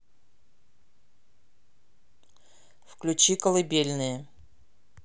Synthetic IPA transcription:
fklʲʉt͡ɕikəlˠɐbʲelʲnɨjə

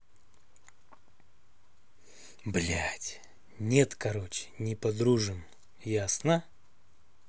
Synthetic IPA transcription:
blʲætʲ | nʲet̪kɐɾot͡ɕɪ̥nʲɪpɐd̪ɾuʐɨm | jasnə

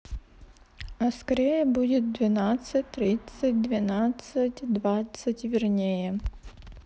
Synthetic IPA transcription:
ɐskɐɾʲejəbudʲɪt̪̚d̪vʲɪnat̪sɨtʲt̪ɾʲit̪sət̚ʲd̪vʲɪnat̪sətʲd̪vat̪sətʲvʲɪrnʲejə

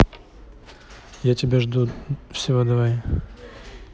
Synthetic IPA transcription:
jatʲɪbʲeʐd̪ufsʲɪvod̪ɐvaj

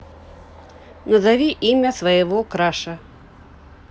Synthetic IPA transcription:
nɐzavʲiʔimʲɐsvɐjɛvɔkɾaʂɐ

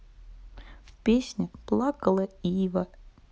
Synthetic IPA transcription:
fpʲesʲnʲɪplˠakəlˠəivə

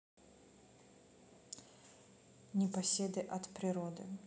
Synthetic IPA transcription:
nʲɪpɐsʲed̪ɨʔɐt̪pɾʲɪɾod̪ɨ̰

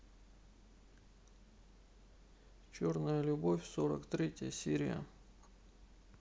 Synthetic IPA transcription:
t͡ɕo̞rnəjəlʲʊbofʲsoɾə̰kt̪ɾʲetʲɪjəsʲiɾʲɪjə̰

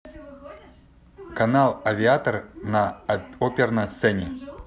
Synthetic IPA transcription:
kɐnalˠɐvʲɪat̪ərnɐopʲɪrnɐjst̪sɛnʲɪ

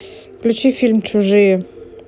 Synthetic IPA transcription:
klʲut͡ɕifʲilʲmt͡ɕuʐɨjə

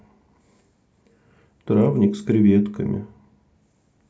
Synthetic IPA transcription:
t̪ɾavnʲɪkskɾʲɪvʲet̪kəmʲɪ̰

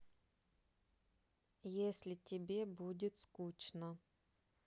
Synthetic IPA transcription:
jesʲlʲɪtʲɪbʲebudʲɪt̪skut͡ɕnə

